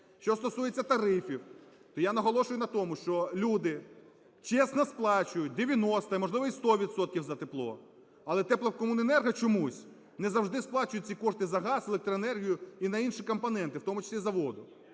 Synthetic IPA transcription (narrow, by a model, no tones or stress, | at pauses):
ʃt͡ʃɔst̪ɔsujet͡sʲːɐt̪ɐɾɪfʲiw | t̪ɔjanɐɦɔlˠɔʃʊjʊnɐt̪ɔmʊʃt͡ʃɔlʲud̪ɪ | t͡ʃɛsnɐsplˠɑt͡ʃʊjʊt̚ʲd̪eʋʲjɐnɔst̪ɐimɔʒlˠɪʋɔist̪ɔʋʲid̪sɔt̪̚kʲiwzɐt̪eplˠɔ̰ | ɐlˠɛt̪ɛplˠɐkɔmunenɛrɦɐt͡ʃɔmusʲ | nɛzɐwʒd̪ɪsplˠɑt͡ʃʊjʊt̚ʲt͡sʲikɔʃt̪ɪzɐɦɑzelˠek̚t̪ɾɔenɛrɦʲijʊinɐinʃikɔmpɐnɛnt̪ɪwt̪ɔmʊt͡ʃɐ̥sʲlʲizɐʋɔd̪ʊ